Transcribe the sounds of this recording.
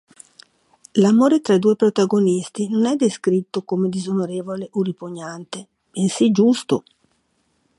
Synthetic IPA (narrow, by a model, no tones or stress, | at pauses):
lamoːɾet̪ɾaid̪uːepɾot̪aɡonist̪inonɛd̪ːeskɾit̪ːokomed̪izonoɾeːvoleʔoripoɲːant̪e | bensid͡ʒust̪o